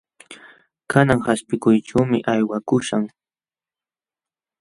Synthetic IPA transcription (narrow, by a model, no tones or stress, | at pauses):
kʰanaŋhaspɪkʊjʈ͡ʂawmɪʔajwakʊʃaŋ